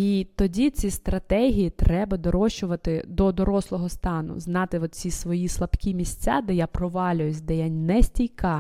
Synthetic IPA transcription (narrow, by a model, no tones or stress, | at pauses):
it̪ɔdʲit͡sʲist̪ɾɐt̪ɛɦʲijit̪ɾɛbɐd̪ɔɾɔʃt͡ʃʊʋɐt̪ɪd̪ɔd̪ɔɾɔslˠɔɦɔst̪ɑnʊ̰znɑt̪ɪɔt̪̚t͡sʲisʋɔjislˠɐbkʲimʲisʲt͡sʲa̰d̪ɛjapɾɔʋɑlʲʊjʊsʲd̪ɛjanʲnɛsʲtʲijkɑ